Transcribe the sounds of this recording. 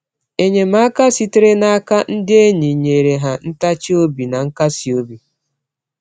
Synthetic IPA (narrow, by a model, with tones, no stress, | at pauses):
e˨ɲe˨ma˦ka˦si˦te˦ɾe˦na˦a˦ka˦n̩˦dɪ˦e˦ɲi˨ɲe˨ɾe˨ɦa˨n̩˦ta˦t͡ʃi˦o˦bi˨na˨ŋ̩˦ka˦si˨o˦bi˨